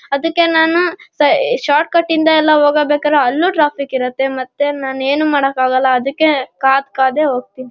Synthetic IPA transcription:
ɐd̪ɐkːe̞naːnusɐʃaːɾʈ̚kɐʈːind̪ɐɛlːɐɦoːɡɐbeːkɐdɾeɐlːuʈɾaːpʰikiɾɐt̪ːe̞mɐt̪ːenaːnueːnumaːɽɐkːaːɡɐlːɐɐd̪ukːekaːd̪kaːd̪e̞ɦoːɡ̚t̪iːni

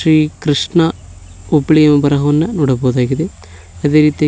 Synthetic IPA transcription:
ɾiːkɾiʂɳɐ | ublijɐmɐbɐɾɐɦɐʋɐnːɐnoːɽɐbɐɦud̪aːɡid̪e | ɐd̪e̞ːɾiːt̪i

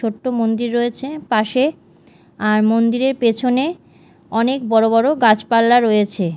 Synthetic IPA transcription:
oʈːomond̪iɾːoet͡ɕʰepaʃe | aɾmond̪iɾeɾpet͡ɕʰone | ɔnekbɔɾobɔɾoɡat͡ɕpalːaɾojet͡ɕʰe

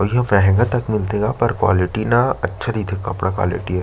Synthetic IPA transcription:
ɔɾjɐɦʋɛɦɛ̃ŋɡat̪ɐkmɪlt̪eːɡapɐɾkwa̰ːlɪʈinaɐtːʃʰad̪iːt̪ʰekɐpɽakwa̰ːlɪ̰ʈiɦɛ

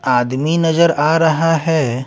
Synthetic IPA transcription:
aːd̪minɐzəɾaːɾɐɦaɦɛː

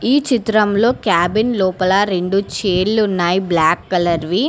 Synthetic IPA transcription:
iːt͡ʃit̪ɾɐmlo̞ːkjaːbinlɔːpɐlɐɾe̞ɳɖut͡ʃeːɽlunːaːjiblaːkːɐlɐɾʋi

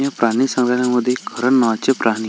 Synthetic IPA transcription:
jəpɾaɽ̃isə̃ŋɡlanjaməd̪ʱːjeɡʰʱəɾəɳːəʋat͡ɕepɾʔaɽ̃ñi

